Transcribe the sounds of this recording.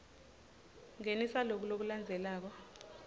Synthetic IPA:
ŋenisalok̬ulok̬uland͡zʱɛlaːk̬ɔ

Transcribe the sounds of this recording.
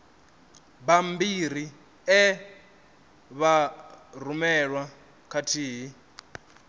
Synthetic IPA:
bambiɾ̤i | ɛ | βar̤umɛɺwa | kʰatʰiːɦi

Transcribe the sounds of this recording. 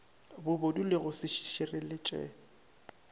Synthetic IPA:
bʊbodulɪɣʊsɪʃi̥ʃɪrɪlɪt͡ʃʼɛ̰

